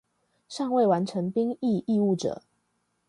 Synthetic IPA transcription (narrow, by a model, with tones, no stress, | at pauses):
ʂɑ˥˧ŋwe˥˩ɪwa˧˦nʈ͡ʂʰə˧˥ŋpi˥ŋi˥˧ʔi˥˧u˥˩ʈ͡ʂɤ̰˨˩˦